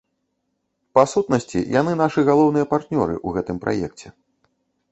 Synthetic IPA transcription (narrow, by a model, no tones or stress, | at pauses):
pasut̪̚nɐsʲt͡sʲḭjʔanɨnaʂɨɣalˠɔwnɨjɐpart̪nʲɔɾɨ̰ʔuɣɛt̪ɨmpɾʔa̰jɛ̰k̚t͡sʲɛ